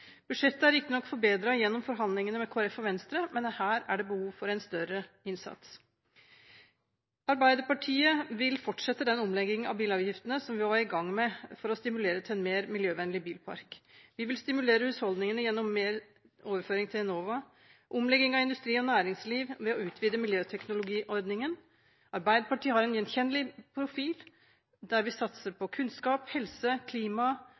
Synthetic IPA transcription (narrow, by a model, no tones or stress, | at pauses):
b̥ʉdʂɛt̪ːəæɾɪkːənɔkːfɔɾbeːd̪ɾɑjɛnːɔmfɔɾɦɑnd̪lɪŋənəmɛkʰoːɾɛfɔʋɛnst̪ɾəmɛnhæːɾæɖɛbəhuːʋfɔɾæɪnst̪œɾə | ɪnsɑ̰t̪s | ɑɾbæɪd̪əɾpɑʈʰiːəʋɪlfɔʈʂɛt̪ːəd̪ɛnɔmlɛɡɪŋənɑ̰ʋbiːlɑːʋjɪft̪ənəsɔmʋɪʋɑːɾɪɡɑŋːmɛfɔɾɔst̪ɪmʉleːɾət̪ʰɛnmeːɾmɪljøːʋɛnːlɪbiːlpʰɑ̰ɾkʋɪʋɪlst̪ɪmʉleːɾəʉːshɔld̪nɪŋənəjɛnːɔmːeːɾ | oːʋəɾføːɾɪŋt̪ʰɪhɛnoːʋɑ | ʔʊmlɛɡɪŋɑʋɪnd̪ʉst̪ɾiːɔnæːɾɪŋsliːʋʋɛɔʉːt̪ʰʋiːd̪əmɪljøːt̪ʰɛknʊlʊɡiːʔɔɾd̪nɪŋən | ɑɾbæɪd̪əpʰɑʈiːhɑɾɛnjɛnçɛnːəlɪpʰɾʊfiːl | d̪æɾʋɪsɑt̪səɾpʰɔkʰʉnskɑːphɛlsəkʰliːmɑ